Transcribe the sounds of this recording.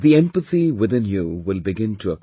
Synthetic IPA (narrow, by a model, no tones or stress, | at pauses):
ðiɛ̃mpəθiwɪðɪ̃njuwɪlbɪɡɪ̃ntʰəə